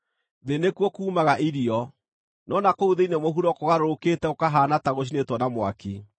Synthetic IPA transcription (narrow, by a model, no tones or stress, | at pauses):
ðenekwɔkuːmaɣaʔiɾiɔ | nɔnakouðeinemoɦuɾɔkoɣaɾoɾoketɛokaɦaːnataɣoɕ̬inetwɔnamwa̰ki